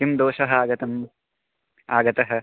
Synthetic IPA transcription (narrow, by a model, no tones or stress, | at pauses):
imd̪oːʃɐɦɐaːɡɐt̪ɐm | a̰ːɡɐt̪ɐɦɐ̆